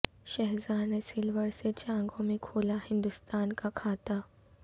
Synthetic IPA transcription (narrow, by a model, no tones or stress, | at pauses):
ʃɐɦzaːnesilʋəɾset͡ɕaə̃ŋɡʱomekʰoːlahɪnd̪ʊst̪aːnkakʰaːt̪a